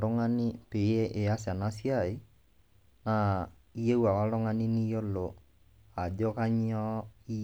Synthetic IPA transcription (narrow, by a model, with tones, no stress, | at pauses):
lo˦ŋa˦ni˦pe˨˦ɛ˦ʔe˨a˦sa˨na˦si˦a˦˨i˨˦ | na˨ | i˦e˦wa˨wa˦lɔ˦ŋa˦ni˦ni˦jo˦lo˨ | a˨d͡ʒo˦ka˦ɲ˦ɔ˦i˦